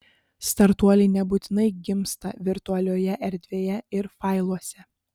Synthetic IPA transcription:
st̪ɐɾt̪uɔlʲɛɪnʲɛbuːt̪ʲɪnɐɪɡʲɪmst̪ɐʋʲɪɾt̪ʊɐlʲoːjɛʔɛɾʲd̪ʲʋʲeːjɛɪɾfɐɪlˠuɔsʲɛ

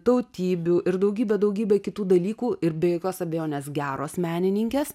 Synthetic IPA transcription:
t̪ɐʊt̪ʲiːbʲuːʔɪɾd̪ɐʊɡʲiːbʲɛd̪ɐʊɡʲiːbʲɛkʲɪt̪uːd̪ɐlʲiːkuːʔɪɾbʲɛjoːkʲoːsɐbʲejoːnʲeːsɡʲæːɾoːsmʲæːnʲɪnʲɪŋʲkʲeːs

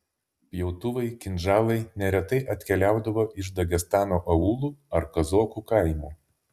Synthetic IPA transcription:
pʲjɛʊt̪ʊʋɐɪkʲɪnʲʒɑːlˠɐɪnʲɛɾʲɛt̪ɐɪʔɐt̪ʲkʲɛlʲæˑʊd̪ɐʋoːʔɪʃd̪ɐɡʲɛst̪ɑːnoːʔɐuːlˠuːɐɾkɐzoːkuːkɐɪmuː

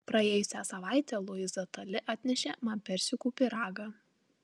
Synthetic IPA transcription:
pɾɐeɛːjʊsʲæsɐʋɑɪt̪ʲɛlˠʊjɪzɐt̪ɐlʲɪʔɑːt̪ʲnʲɛʃʲɛmɐpʲɛɾʲsʲɪkuːpʲɪɾɑːɡɑ

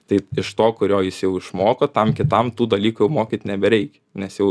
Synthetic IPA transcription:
t̪ɐɪɪʃt̪oːkʊɾʲoːjɪsjɛʊɪʃmoːkɐt̪ɐmkʲɪt̪ɐmt̪uːd̪ɐlʲiːkujɛʊmoːkʲiːt̪ʲɪnʲɛbʲɛɾʲɛɪkʲɛnʲɛsjɛʊ

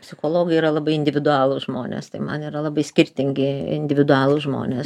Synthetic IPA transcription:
pʲsʲɪxoːlˠoːɡɐɪiːɾɐlˠɐbɐɪɪnʲd̪ʲɪʋʲɪd̪ʊɑːlˠʊsʒmo̰ːnʲḛːst̪ɐɪmɐ̰niːɾɐlˠɐbɐɪsʲkʲɪɾʲt̪ʲɪŋʲɡʲɪɪ̰nʲd̪ʲɪʋʲɪd̪ʊɑːlˠʊsʒmo̰ːnʲeː

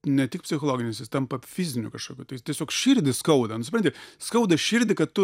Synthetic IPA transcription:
nʲɛtʲɪk̚pʲsʲɪxoːlˠoːɡʲɪnʲɪsʲɪst̪ʲɛmpɐfʲɪzʲɪnʲʊkɐʃkoːkʲuːt̪ɐɪt̪ʲiɛsʲoːkʃʲɪɾʲd̪ʲɪskɐʊd̪ɐnʊsʲɪpɾɐnt̪ʲɪskɐʊd̪ɐʃʲɪɾʲd̪ʲɪkɐtt̪ʊ

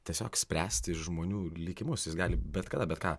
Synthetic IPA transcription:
t̪ʲiɛsʲoːksʲpʲɾʲæːsʲt̪ʲɪɪʃʒmoːnʲuːlʲɪːkʲɪmʊsjɪsɡɑːlʲɪbʲɛt̪kɐd̪ɐbʲɛt̪kɑː

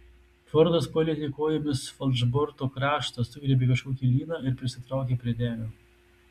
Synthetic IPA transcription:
fɔɾd̪ɐspɔlʲɪt̪ʲɪkoːjɪmʲɪsfɔlˠʲʒbɔɾt̪oːkɾɑːʃt̪ɐsʊɡɾʲɛbʲeːkɐʃkoːkʲiːlʲiːnɑːɪɾpʲɾʲɪsʲɪt̪ɾɐˑʊkʲeːpʲɾʲiɛd̪ʲæːlʲoː

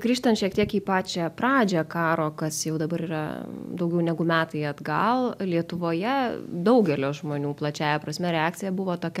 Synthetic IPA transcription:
ɡ̥ɾʲiːʃt̪ɐntʃʲiɛk̚t̪ʲiɛkiːpɑːt͡ʃʲɛprɑːd͡ʒʲɛkɑːɾoːkɐsjɛʊd̪ɐbɐɾiːɾɐ̰d̪ɐʊɡʲɛʊnʲɛɡʊmʲæːt̪ɐɪɐd̪ɡɐlˠlʲiɛt̪ʊʋoːjɛd̪ɐʊɡʲɛlʲoːʒmoːnʲuːplˠɐt͡ʃʲæːjɛpɾɐsʲmʲɛɾʲɛɑːk̚t͡sʲɪjɛbʊʋoːt̪oːkʲɛ

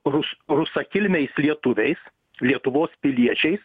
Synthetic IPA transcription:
ɾʊsɾʊsɐkʲɪlʲmʲɛɪslʲiɛt̪ʊʋʲɛɪs | lʲiɛt̪ʊʋoːspʲɪlʲiɛt͡ʃʲɛɪs

